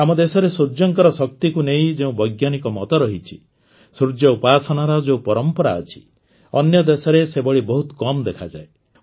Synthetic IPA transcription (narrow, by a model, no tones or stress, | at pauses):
amɔd̪esɔɾesuɾd͡ʒɔŋkɔɾɔsɔk̚t̪ikuneĩd͡ʒeũbɔjɡjanikɔmɔt̪ɔɾɔɦit͡ʃʰi | sɾud͡ʒjɔupasɔnaɾɔd͡ʒeũpɔɾɔmpɔɾaɔ̰t͡ʃʰi̥ | ɔnjɔd̪esɔɾesebɔɽibɔɦut̪kɔmd̪ekʰa̰d͡ʒa̰e